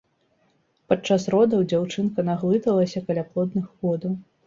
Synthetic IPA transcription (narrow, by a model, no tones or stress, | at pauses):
pat͡ʂːasrɔd̪ɐwd͡zʲawt͡ʂɨnkɐnaɣlˠɨt̪ɐlˠɐsʲɐkɐlʲaplˠɔd̪nɨxɣɔd̪ɐw